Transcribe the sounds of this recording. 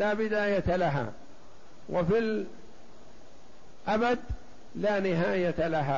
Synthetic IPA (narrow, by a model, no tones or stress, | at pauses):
laːbɪd̪aːjat̪alaɦa̰ː | wʔafil | ʔabad̪ | laːnɪɦaːjat̪alaɦaː